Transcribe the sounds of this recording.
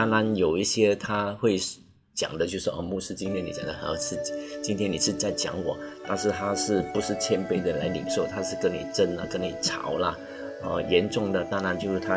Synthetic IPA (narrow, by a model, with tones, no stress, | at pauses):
a˥˧na˧˥njo˨˩ʊi˥˩ɕjɛ˥t̪ʰa˥xwe˥˩ɪ | t͡ɕjɑ̰˨˩ŋd̪ə˦t͡ɕjo˥˧ʊʂɻ̩˥˩ʔɔ̰˥˧mu˥˩ʂɻ̩˥t͡ɕi˥nt̪ʰjɛ˥nːi˨˥t͡ɕjɑ̰˨˩ŋd̪ə˦˧˥ʂɻ̩˥˩t͡ɕi˥nt̪ʰjɛ˥ni˨˩ʂɻ̩˥˧t͡sa˥˩ɪt͡ɕjɑ̰˨˧˥ŋwɔ̰˨˩˦t̪a˥˧nʂɻ̩˥˧t̪ʰa˥ʂɻ̩˥˩pu˧˥ʂɻ̩˥˩t͡ɕʰjɛ˥npe˥˩ɪd̪ə˨la˧˥ɪlḭ˨˩ŋʂo˥˩ʊt̪ʰa˥ʂɻ̩˥˩kə˥ŋni˨˩ʈ͡ʂə˥nlə̰˨kə˥ni˨˩ʈ͡ʂʰɑ̰˧˥ʊlɐ˧ | ə˧˩jɛ˧˥nʈ͡ʂʊ˥˩ŋd̪ə˨t̪a˥˧na˧˥nt͡ɕjo˥˧ʊʂɻ̩˥˩t̪ʰa˥